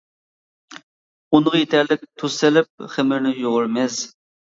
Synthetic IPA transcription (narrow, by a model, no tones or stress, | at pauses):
unəʁjet̪ʰæɾlɪk̚ʲt̪ʰusɪlɪp̚χɪmɪɾnɪjoʁʊɾmɛz